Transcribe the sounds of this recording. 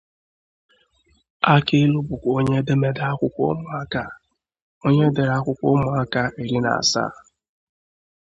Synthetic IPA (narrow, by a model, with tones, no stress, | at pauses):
a˦ke˦lu˦bʊ˨kʷo˦ɲe˦de˦me˦da˦kʷʊ˦kʷo̰˦mʊ˨a˦ka˦ | o˦ɲe˦de˨ɾa˦kʷʊ˦kʷo˦mʊ˨a˦ka˦e˨ɾi˦na̰˨sa̰ː˦